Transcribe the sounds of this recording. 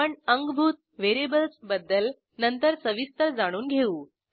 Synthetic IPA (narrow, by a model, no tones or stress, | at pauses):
əɳəŋɡbʱuːt̪̚ʋeɾebəlsbəd̪ːəl | nənt̪əɾsəʋist̪əɾd͡zaɽ̃uːnɡʱeuː